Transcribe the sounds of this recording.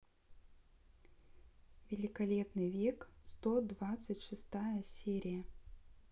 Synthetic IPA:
vʲɪlʲɪkɐlʲe̞pnɨjvʲekst̪od̪vat̪sɨtʲʂɨst̪ajəsʲeɾʲɪjə

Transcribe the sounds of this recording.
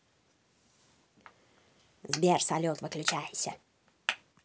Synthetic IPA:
zbʲersɐlʲot̪vɨklʲʊt͡ɕæjɪsʲə

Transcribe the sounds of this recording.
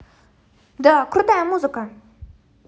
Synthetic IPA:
d̪əkʰurt̪ajamuzəka

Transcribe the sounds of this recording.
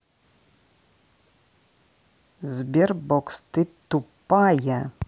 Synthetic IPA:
zbʲerbokst̪ɨt̪ːupːaja

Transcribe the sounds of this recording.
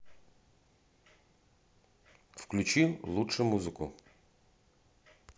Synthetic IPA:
fklʲʉt͡ɕilˠutʂɨmuzɨkʊ̰

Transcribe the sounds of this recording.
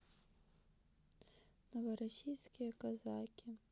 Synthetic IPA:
nɔʋɔɾɔsʲijsʲkʲijɐkɐzɑkʲɪ

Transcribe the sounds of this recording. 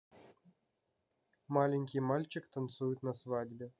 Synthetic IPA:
malʲɪŋʲkʲijmalʲt͡ɕɪkt̪ant̪sujut̪nasvadʲbʲe

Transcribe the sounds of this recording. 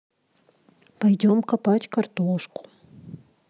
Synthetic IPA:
pɐjdʲomkɐpatʲkɐrt̪oʂkʊ̥

